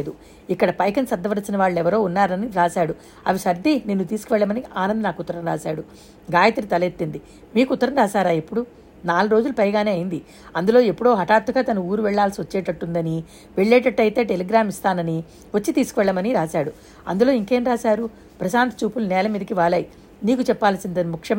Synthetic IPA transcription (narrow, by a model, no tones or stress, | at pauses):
d̪u | ikːɐɽɐpɐjkɐnsɐd̪ːɐʋɐɾɐsinɐʋaːɭːuɛʋɐɾo̞ːunːaːɾɐniɾaːsaːɽu | ɐ̰ʋiʃɐɾd̪ʱineːnːut̪iːsu̥kuʋɛɭːɐmɐniaːnɐnd̪ɐnaːkut̪ːɐɾɐmɾa̰ːsaːɽu | ɡaːjɐt̪ɐɾit̪ɐlet̪ːind̪i | miːkut̪ːɐɾɐmɾaːʃaːɾaːepːuɽu | naːluɾoːd͡ʒulupɐjɡaːne̞ːɐjind̪i | ɐnd̪ulo̞ːe̞pːuɽo̞ːɦɐʈaːɾt̪uɡaːt̪ɐnuuːɾuʋɛɭːaːlsiʋɐt͡ʃːɛːʈɐʈːund̪ɐni | ʋeɭːɛːʈɐʈːɐjt̪e̞ːʈelɛɡɾaːmist̪aːnɐni | ʋɐt͡ʃːit̪iːsu̥kuʋɛɭːɐmɐniɾaːsaːɽu | ɐ̰nd̪ulo̞ːiŋke̞ːmɾaːsaːɾu | pɾɐsaːnt̪ɐ̥t͡ʃuːpulnɛːlɐmiːd̪ɐkiʋaːlɐːji | niːkut͡ʃɛpːaːlɐsind̪ɐnimukʂɐm